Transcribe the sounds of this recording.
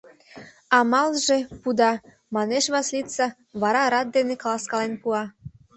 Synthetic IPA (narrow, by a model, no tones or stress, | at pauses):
ɑmɑlʒepud̪ɑ | mɑneʃβɑslit̪t͡sɑ | βɑɾɑɾɑt̪̚d̪eneklɑskɑlenpuɑ